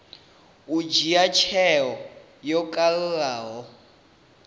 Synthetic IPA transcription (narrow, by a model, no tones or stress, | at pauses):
ud͡ʒiat͡ʃʰɛɦɔ | jɔkʼalɺaːɦɔ